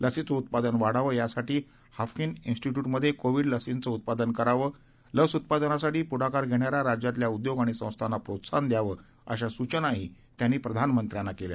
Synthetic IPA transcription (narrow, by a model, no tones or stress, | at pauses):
ləsit͡səut̪̚pad̪ənʋaɽaʋəːjasaʈiː | hafkininsʈiʈjuʈməd̪ʱːjekoʋiːɽləsint͡səut̪̚pad̪ənkəɾaʋəː | ləsut̪̚pad̪ənasaʈiːpuɽ̤akaɾɡʱeɽ̃jaɾaɾad͡ʑjat̪ljaud̪joɡaɽ̃isə̃w̃st̪ʰanapɾot̪sand̪jaʋəː | ə̰ɕasut͡ɕənaɦi | t̪janːiːpɾəd̪ʱanmənt̪ɾjãnːakelja̰